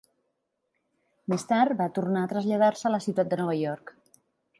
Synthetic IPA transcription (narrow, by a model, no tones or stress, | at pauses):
mest̪aɾt̪bat̪urnaːt̪ɾəzʎað̞aɾsəːləsiwt̪at̪̚d̪ənɔβəjɔɾk